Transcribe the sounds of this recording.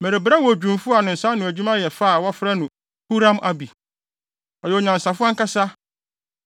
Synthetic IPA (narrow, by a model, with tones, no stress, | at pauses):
me˨ɾe˨bɾa˦wɔ˨d͡ʑᶣũ˨mfʊ˦a˨nʊ̃˨n̩˨sa˦nʊ̃˨æ˨d͡ʑᶣu˦mã˦jɛ˨fa˦˨wa˦fɾa˦nʊ̃˨ | hu˦ɾã˦mʔa˦bi˨ | ɔ˨jɛ˨ɲã˨n˨sa˨fʊ˦a˦ŋ̩˦ka˦sa˦